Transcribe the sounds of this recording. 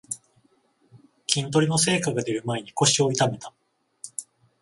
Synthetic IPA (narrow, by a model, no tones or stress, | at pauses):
kʲĩnt̪̬o̞ɾʲino̞se̞ːkaɡad̪e̞ɾɯ̟mae̞ɲ̟iko̞ɕio̞it̪ame̞t̪a